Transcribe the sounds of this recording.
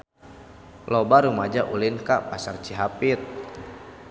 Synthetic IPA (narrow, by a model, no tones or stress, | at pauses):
lɔbaɾumad͡ʒaʔulinkapasart͡ʃiɦapit̪̚